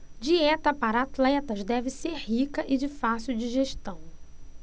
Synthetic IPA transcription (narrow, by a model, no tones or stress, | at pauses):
d͡ʒiɛt̪ɐpaɾɐat̪lɛt̪ɐzd̪ɛvɪseɾhikɐʔɪd͡ʒɪfasiwd͡ʒiʒeʃt̪ɐ̃w̃